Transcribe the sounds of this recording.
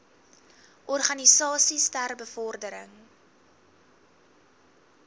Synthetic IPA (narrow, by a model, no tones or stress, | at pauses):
ʔɔrχɐnisɑːsistærbəfɔrdəɾəŋ